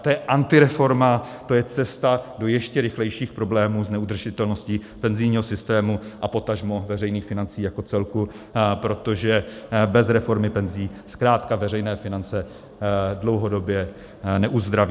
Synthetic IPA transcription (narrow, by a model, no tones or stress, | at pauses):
t̪ojɛʔant̪ɪɾɛfo̞ɾmat̪o̞jɛt͡sɛst̪ado̞jɛʃcɛɾɪxlɛjʃiːxpɾo̞blɛːmuːznɛud̪r̩ʒɪt̪ɛlno̞sciː | pɛnzɪjɲiːɦosɪst̪ɛːmuʔapo̞t̪aʒmovɛrɛjniːxfɪnant͡siːjako̞t͡sɛlku | pɾo̞t̪o̞ʒɛbɛzɾɛfo̞ɾmɪpɛnziːskɾaːt̪kavɛr̝ɛjnɛːfɪnant͡sɛ | dlo̞wɦo̞do̞bjɛ | nɛʔuzd̪ɾaviː